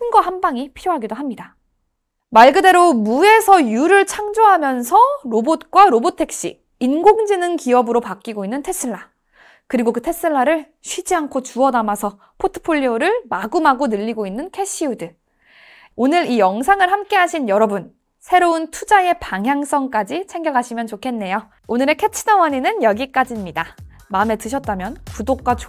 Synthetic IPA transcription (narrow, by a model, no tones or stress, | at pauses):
t͡ɕʰɯnɡʌhambaŋipʰiɾjoɦaɡidoɦamɲida | maɭɡɯde̞ɾomue̞sʰʌjuɾɯɭt͡ɕʰaŋd͡ʑoɦamjʌnsʰʌɾobot̚k͈waɾobotʰe̞k̚ɕ͈ḭ | inɡoŋd͡ʑinɯnkiʌbɯɾopak͈iɡoinːɯntʰes͈ɯɭːa | kɯɾiɡokɯtʰes͈ɯɭːaɾɯɭ | ɕʰɥid͡ʑiankʰot͡ɕuʌnamasʰʌ | pʰotʰɯ̥pʰoʎːioɾɯɭmaɡɯmɦaɡonɯʎːiɡoinːɯnkʰe̞ɕ͈ʰiudɯ | onɯɾijʌŋsʰaŋɯɭhamk͈e̞ɦaɕʰinjʌɾʌbun | sʰe̞ɾountʰud͡ʑae̞paŋɦjaŋs͈ʌŋk͈ad͡ʑit͡ɕʰe̞ŋɡjʌkʰaɕʰimjʌnt͡ɕokʰe̞nːe̞jo | onɯɾe̞kʰet͡ɕʰidʌwʌɲinɯnjʌɡik͈ad͡ʑimɲida | mame̞tɯɕʰʌt̚t͈amjʌnkudok̚k͈wat͡ɕ